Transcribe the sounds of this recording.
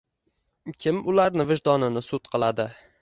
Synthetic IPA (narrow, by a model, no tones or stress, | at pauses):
kʲʰɪmʊlaɾnɪvɪʒd̪ɒnɪnɪsʊt̪̚qʰɨlˠad̪ɪ